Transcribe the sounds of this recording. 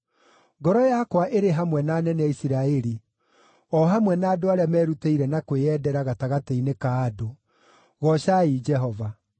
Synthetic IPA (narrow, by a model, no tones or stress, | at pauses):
ŋɡɔɾɔjakwaʔeɾeɦamwɛnaːnɛnɛaisiɾaɛɾi | ɔɦamwɛnaːdoaɾeamɛːɾuteiɾɛnakweɛdɛɾaɣataɣateinekaːdo | ɣɔʃaid͡ʒɛɦɔva